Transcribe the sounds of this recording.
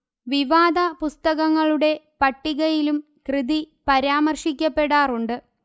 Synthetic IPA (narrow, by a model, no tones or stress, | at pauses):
ʋiʋaːd̪ɐpust̪ɐɣɐŋːɐɭuɽe̞ | pɐʈːiɣɐjilum | krɨði | pɐɾaːmɐrʂikʲːɐpːe̞ɽaːruɳɖɨ